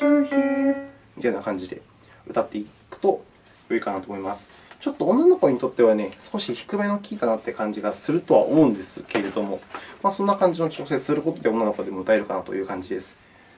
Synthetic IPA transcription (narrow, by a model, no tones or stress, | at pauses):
ɕoːçi | mʲit̪ainakãɲ̟d͡ʑid̪e̞̰ | ɯ̟t̪at̪ːe̞ikɯ̟̥t̪o̞ | jo̞ikanat̪oːmo̞imasɨ̥ | t͡ɕo̞t̪ːõ̞ːnːano̞ko̞ɲ̟it̪o̞t̪ːe̞βane̞sɨ̥ko̞ɕiçi̥kɯ̟me̞nokʲiːt̪anat̪ːe̞kãɲ̟d͡ʑiɡasɨɾɯ̟t̪o̞βa̰o̰mo̞ɯ̟̃nd̪e̞sɨke̞ɾe̞d̪o̞mo̞masõ̞nːakãɲ̟d͡ʑinot͡ɕo̞ːsesɨɾɯ̟ko̞t̪o̞d̪e̞o̞nːanoko̞d̪e̞mo̞ɯ̟t̪ae̞ɾɯ̟kanat̪o̞̰jɯ̟ːkãɲ̟d͡ʑid̪e̞sɨ̥